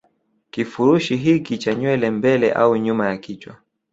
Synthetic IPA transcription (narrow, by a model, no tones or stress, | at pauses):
kifuɾuʃiɦikit͡ʃaɲwɛlɛmbɛlɛ̰ʔauɲumajakit͡ʃwa